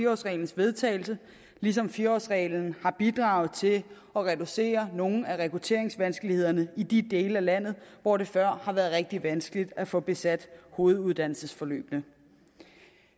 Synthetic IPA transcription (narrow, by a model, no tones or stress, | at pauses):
iɒ̰sʁɛ̰ɪln̩sʋe̝ð̞ˠt͡sʰɛ̰ːɪl̩sə | lis̬ɒ̽mfiɒ̰sʁɛːln̩hɑ̈b̥id̥ʁɑ̈ːʊð̞̩ˠt͡sʰe̝ | ɒ̽ʁɛd̥use̝̰ːɐno̝n̩æʁɛkʰʁut͡sʰe̝̰ɐ̰eŋsʋænsɡ̥əlihe̝ð̰ˠɐnəid̥id̥e̝ːləælæn̰ð̩ˠʋɒɾ̥e̝fɶɐ̰hɑ̈ʋæɐð̩ˠʁɛɡ̥̚d̥iʋænsɡ̥əlid̥æfɔ̽b̥e̝sæd̥ho̝ːð̞̩ˠuð̞ˠd̥æn̰l̩səsfɒ̽lø̰ːb̥nə